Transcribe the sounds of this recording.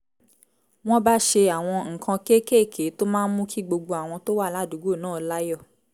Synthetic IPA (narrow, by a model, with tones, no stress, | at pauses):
w̃ɔ̃˦ba˦ʃe˧a˨w̃ɔ̃˧ŋ̩˨kʰã˧ke˦ke˦˨kʰe˨˦to˦mãː˦n̩˦mũ˦kʰi˦ɡ͡bo˧ɡ͡bo˧a˨w̃ɔ̃˧to˦wa˦˨la˨˦du˨˦ɡo˦˨nãː˦˨˦la˦jɔ˦˨